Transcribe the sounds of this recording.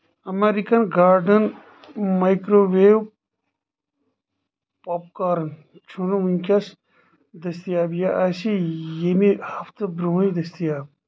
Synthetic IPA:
ɐmeɾikɐnɡaːɾɖɐn | mɐjkɾoweːw | paːp̚kaːɾɐn | t͡ʃʰunumunʲkʲɐs | d̪ɐst̪ijaːbjaʔasijenihɐft̪ɨbɾumid̪ɐst̪ijaːb̚

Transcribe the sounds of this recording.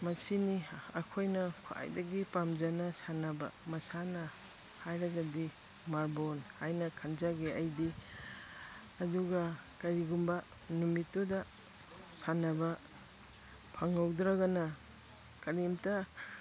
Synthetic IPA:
mɐsiniɐ̰kʰojnɐkʰoa̰jdɐɡipamzanɐsanabɐ̰mɐsanɐ | hajɾaɡadi | maɾbonhajnɐkʰanzaɡeajdi | ɐduɡɐ | kɐɾiɡumbɐ | numitːodɐ | sanabɐ | pʰaŋawdɾaɡanɐ | kɐɾimtɐ

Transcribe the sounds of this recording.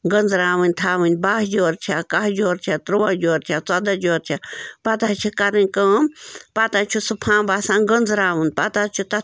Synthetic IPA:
ɡənd͡zɾaːʋɨnʲt̪ʰaːʋɨnʲbaːɦd͡ʒoːɾt͡ʃʰakad͡ʒoːɾt͡ʃʰat̪ɾuʋaːd͡ʒoːɾt͡ʃʲʰat͡sad̪ad͡ʒoːɾt͡ʃʰapɐt̪aːt͡ʃʰikɐɾɨnʲkəmpat̪aːt͡ʃʰusupʰãːbaːsãːnɡənd͡zɾaːʋɨnd̪̚pat̪aːt͡ʃʰut̪ɐ

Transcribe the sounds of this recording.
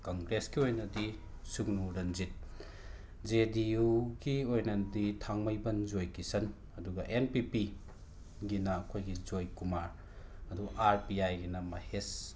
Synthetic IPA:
kɐŋɡɾeskiojnɐdi | suknuɾɐnzit̚ | d͡ʒedijuɡiojnɐditʰaŋmɐjbɐnd͡ʒojkisɐn | ɐduɡɐʔenpipi | ɡinɐːkʰojɡid͡ʒojkumaɾ | ɐduɡɐʔaɾpiajɡinɐmɐ̰hes

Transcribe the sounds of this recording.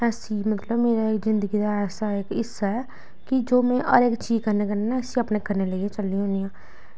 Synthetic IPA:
ɛːsiːmət̪ləbmeːɾaːɪkzɪnd̪əɡiːd̪aːɛːsaːɪkɪsːaɛː | kɪd͡ʒoːmɛ̃ːʔə̰ɾɪkt͡ʃiːzkəɾneːkəɾnenaəsĩəpneːkəɾneləiet͡ʃəlːiɦõːnijãː

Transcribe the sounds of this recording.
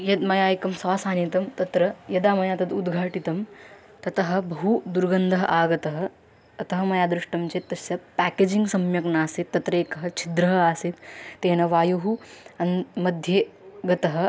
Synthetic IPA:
jɐd̪mɐjaːjkɐmsaːsaːniːt̪ɐmt̪ɐt̪ɾɐjɐd̪aːmɐjaːt̪ɐd̪ud̪ɡʱaːʈit̪ɐm | t̪ɐt̪ɐɦɐ̆bɐɦud̪uɾɡɐnd̪ʱɐɦɐʔaːɡɐt̪ɐɦɐ̆ | ɐt̪ɐɦɐmɐjaːd̪ɾuʂʈɐmt͡ʃeːt̪ːɐsjɐpæːkeːd͡ʒiŋɡsɐmjɐknaːsit̪ːɐt̪ɾɐeːkɐɦɐt͡ʃʰid̪ɾɐɦɐaːsit̪ːeːnɐʋaːjuɦuɐnmɐd̪ʱjeːɡɐt̪ɐɦɐ̆

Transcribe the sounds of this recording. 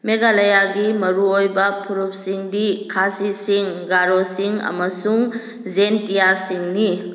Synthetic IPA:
meɡalajaɡimɐɾuojbɐpʰuɾup̚siŋdikʰasisiŋɡaɾosiŋɐ̰mɐsuŋ | zentijasiŋni

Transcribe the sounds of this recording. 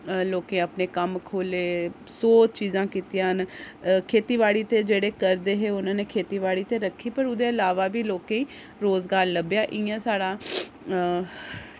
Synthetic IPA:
loːkẽːəpneːkəmkʰoːleː | soːt͡ʃiːzãːkiːt̪jãːɦənkʰeːt̪iːʋaːɽiːt̪eːd͡ʒeːɽeːkəɾd̪eːɦeːʊnãːneːkʰeːt̪iːʋaːɽiːt̪eːɾəkʰːiːpəɾʊd̪eːəlaːʋaːbiːloːkẽːĩː | ɾoːzɡaːɾləbjaːʔɪãːsaːɽaː

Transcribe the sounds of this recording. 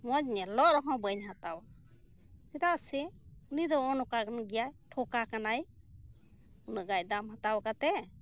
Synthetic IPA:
mɔd͡ʒɲɛlɔʔɾɔɦɔ̃wbəjnɦat̪aw | t̪id̪aʔsɛunid̪ɔɔnɔkaɡanɡijajʈʰɔkakanaj | unɔɡajd̪amɦat̪awkat̪ɛ

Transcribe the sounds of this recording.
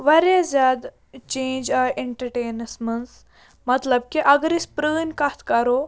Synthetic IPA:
ʋɐɾezʲjaːd̪ | t͡ʃẽːnd͡ʒaʔeɳʈɐɾʈeːnɐsmɐns | mɐt̪lɐb̚kiʔɐɡɾispɾəːnʲkɐt̪ʰkɐɾoː

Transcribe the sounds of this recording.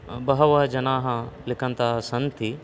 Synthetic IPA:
bɐɦɐʋɐɦd͡ʒɐnaːɦãlɪkʰənt̪aːsɐ̃nt̪ʰi

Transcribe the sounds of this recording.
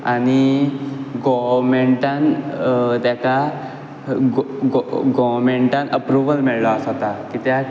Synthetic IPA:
a̰ni | ɡɔʋɾmeɳʈãn | t̪jaka | ɡɡɡɔʋmeɳʈãnəpɾuʋəlmɛɭlɔəsat̪akit̪ja

